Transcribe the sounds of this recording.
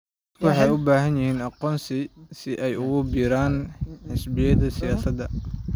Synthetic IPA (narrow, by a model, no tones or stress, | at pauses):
wʊħɑjʊbaːɦɐnjɪhiːnɑqɔːnsɪsɪʔɛjʊɣʊbiːɾaːnħɪsbɪjɐðɐsɪjaːsɐd̪ɐ